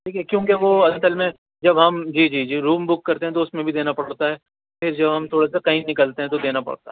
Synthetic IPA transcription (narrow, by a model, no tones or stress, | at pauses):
ʈʰiːkʰiɛkjõːkeʋoɐsəlmẽ | d͡ʒɐbɦɐmd͡ʒiːd͡ʒiːd͡ʒiːɾuːmbʊkːɐɾt̪ẽɦɛ̃t̪oʊsmẽbʱid̪eːnapɐɽɽt̪aɦɛː | pʰɪɾd͡ʒɐbʱɦɐmt̪ʰoːɽasakɐĩnːɪkəlt̪eɦɛ̃t̪od̪eːnapɐ̰ɽt̪aɦɛ